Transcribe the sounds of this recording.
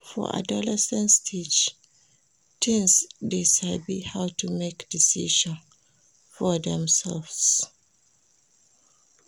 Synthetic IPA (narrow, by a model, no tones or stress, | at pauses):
fɔ̰ʔa̰dɔlɛsɛ̃nstʰid͡ʒ | tʰĩŋsdeʃalbihawtumekd̥isiʃɔ̃n | fɔdɛ̃msɛlfs